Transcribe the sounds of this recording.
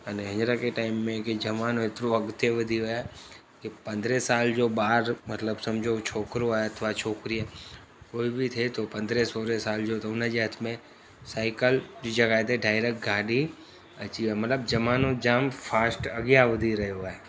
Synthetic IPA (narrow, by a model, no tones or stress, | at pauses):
əneɦə̃d͡ʒɾakeʈaːɪmːẽked͡ʒɐmaːnõɪt̪ɾoɐɡt̪jeʋəd̪ʱiɦoa | kipɐ̃nd̪ɾesaːld͡ʒoːbaːɾmət̪ləbsɐmd͡ʒʱot͡ʃʰoːkɾoɛɐt̪ʰʋat͡ʃʰoːkɾiɛ | koːibʱit̪ʰet̪opɐ̃nd̪ɾesoːɾesaːld͡ʒot̪oʊnəd͡ʒeɦət̪ʰmẽ | saːɪkəld͡ʒid͡ʒɐɡaːet̪ʰeɖaːɪɾekʈ̚ɡaːɖi | ɐt͡ʃiɛmɐt̪ləbd͡ʒɐmaːnõd͡ʒaːmfʰaːsʈɐɡjaʋəd̪ʱiɾɐɦeoaɛ